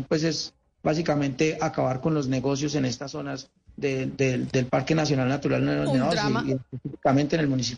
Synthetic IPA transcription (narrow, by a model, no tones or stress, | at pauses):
pwe̞s̬e̞z | bas̬ikamẽ̞nt̪e̞ʔakaβaɾko̞nlo̞zne̞ɣo̞s̬jo̞s̬e̞ne̞st̪aso̞nas | d̪ed̪ed̪elpaɾke̞nasjo̞nalnat̪uɾalnneaosiiespesifikamẽnt̪ene̞lmũnisi